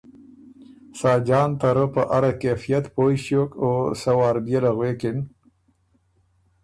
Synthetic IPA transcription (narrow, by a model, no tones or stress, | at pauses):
sɑːd͡ʒɑːnt̪aɾəpəʔaɾakefijat̪pojʃjokosawɑːɾbjelaɣwekɪn